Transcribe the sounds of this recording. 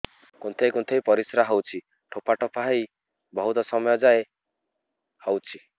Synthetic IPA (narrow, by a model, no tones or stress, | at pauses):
kunt̪ʰejkunt̪ʰejpɔɾisɾaɦɔwt͡ʃʰi | ʈʰopaʈɔpʰaɦaj | bɔɦut̪ɔsɔmɔjɔd͡ʒae | hɔwt͡ʃʰi